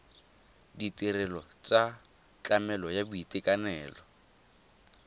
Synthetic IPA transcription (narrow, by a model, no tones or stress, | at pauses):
ditirɛlɔt͡sʼa | t͡ɬamɛlɔjabuitʼɪkʼanɛːlɔ